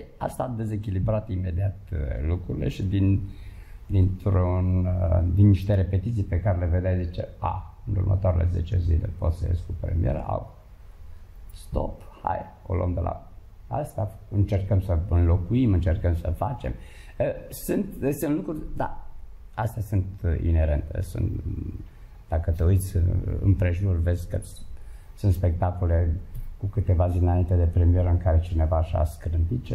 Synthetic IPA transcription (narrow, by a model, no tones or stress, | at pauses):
a̰st̪ad̪e̞ze̞kʲilibɾat̪ime̞d̪iat̪lukɾuɾile̞̰ʃid̪in | d̪int̪ɾnd̪inːiʃt̪eɾepe̞t̪it̪sipekaɾele̞ved̪ajzit͡ʃḛa̰ɨnṵrmə̰t̪oaɾḛlḛze̞̰t͡ʃezilḛpo̞̰t̪səjḛskupɾḛmijeɾə̰ʔa̰w | st̪o̰pha̰j | olo̰md̪elʔa̰ | a̰st̪aɨnt͡ʃe̞rkəmsəɨnlo̞kuimɨnt͡ʃerkəmsə̰fat͡ʃe̞m | əsɨnt̪sɨnlukɾurʲd̪a̰ast̪easunt̪ḭne̞ɾḛnt̪ḛsṵnt̪ | d̪̥akət̪eujt̪sʲɨ̰mpɾe̞ʒurve̞zʲkə | sunt̪spe̞k̚t̪akole̞kukɨt̪e̞vazinaint̪ed̪e̞pɾe̞mije̞ɾəɨŋkaɾe̞t͡ʃine̞vaʃa̰skɾɨmpit̪̚t͡ʃe